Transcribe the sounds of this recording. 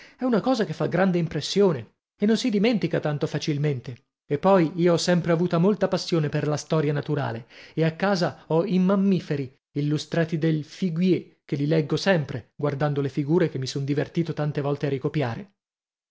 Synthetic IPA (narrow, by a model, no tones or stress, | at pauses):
ɛunakɔːzakefːaɡɾand̪eimpɾesːjoːne | enːonsid̪iment̪ikat̪ant̪ofat͡ʃilment̪e | epːɔjiːoɔsːɛmpɾeavuːt̪amolt̪apasːjoːneperlast̪ɔːɾjanat̪uɾa̰ːleeakːaːzaɔimːamːifeɾi | ilːust̪ɾaːt̪id̪elfiɡwje | kelilɛɡːosɛmpɾeɡward̪and̪olefiɡuːɾekemːisond̪ivert̪iːt̪ot̪ant̪evɔlt̪earːikopja̰ːɾe